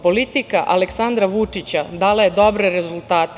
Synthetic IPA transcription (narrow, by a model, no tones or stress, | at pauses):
po̞lit̪ikaʔa̰leksand̪ɾaʋut͡ʂit͡ɕad̪aːlajed̪o̞bɾeɾezulˠt̪aːt̪